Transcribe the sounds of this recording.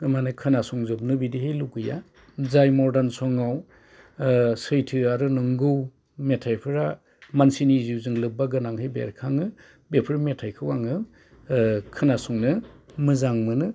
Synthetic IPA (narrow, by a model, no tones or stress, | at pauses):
manɯkʰɯnasuŋzɔp̚nɯbidihejlukɯja̰ | zajmɔɾdansɔŋaw | sɯjtʰɯaɾɯnɯŋɡɯw | metʰajpʰɯɾa | mansiniziwzɯŋlɯbaɡɯnaŋhejbḛɾkʰaŋɯ | bepʰɯɾmetʰajkʰɯwaŋɯ | kʰɯnasuŋnɯmɯzaŋmɯnɯ